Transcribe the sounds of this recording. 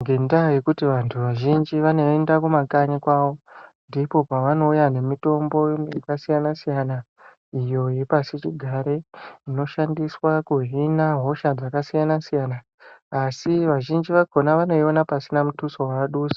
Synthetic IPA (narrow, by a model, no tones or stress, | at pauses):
ŋɡe̞ndaje̞kutiʋantʰuʋaʒind͡ʒiʋano̞endakumakaɲikwaʋo̞ndipo̞paʋano̞ujane̞mito̞mbo̞akasijanasijana | ijo̞ipasit͡ʃiɡʱaɾe̞ino̞ʃandiswakuɦinaɦo̞ʃad͡zakasijanasijanaː | siʋaʒind͡ʒiʋakʰo̞naʋano̞ionapasinamutuso̞waaɗuːsi̥